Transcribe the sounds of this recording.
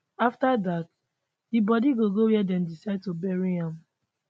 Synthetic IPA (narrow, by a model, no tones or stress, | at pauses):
aftadat | dibɔdiɡoɡowɛdɛ̃mdisaɪd̚tobɛɹiãm